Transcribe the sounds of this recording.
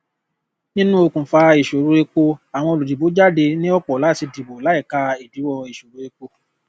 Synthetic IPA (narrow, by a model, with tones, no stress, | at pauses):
nĩ˦nũ˦o˧kũ˨fa˧i˨ʃo˨ɾu˨˦e˧k͡po˧a˨w̃ɔ̃˧o˧lu˨di˨bo˨˦d͡ʒa˦˨de˧nĩ˦ɔ˦k͡pɔ˨la˨˦˨ti˧di˨bo˨la˨˦i˦˨ka˧i˨bi˨˦wɔ˦˧i˨ʃo˨ɾu˨˦e˧k͡po˧